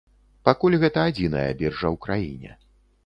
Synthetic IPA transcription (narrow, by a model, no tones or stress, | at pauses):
pakulʲɣɛt̪ɐad͡zʲinɐ̰jɐ̰bʲɛrʐɐwkɾajinʲɛ̰